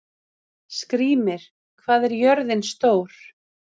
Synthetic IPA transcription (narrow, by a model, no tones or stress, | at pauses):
skɾiːmɪɾ̥ | kʰvaːðɛɾjœɾðɪnst̪oːwɾ̥